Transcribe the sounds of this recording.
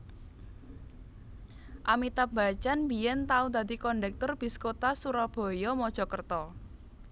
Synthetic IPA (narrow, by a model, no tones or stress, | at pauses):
ʔamit̪ab̥a̤t͡ʃanbijɛnt̪aud̪a̤d̪ikɔɳɖɛk̚t̪ʊrb̥iskot̪asuɾɔb̥ɔ̤jɔmɔd̥ʒ̥ɔ̤kərt̪ɔ